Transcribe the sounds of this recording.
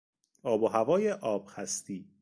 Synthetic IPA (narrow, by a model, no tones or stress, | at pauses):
ɒːboɦævɒːjeʔɒːb̥̚xæst̪iː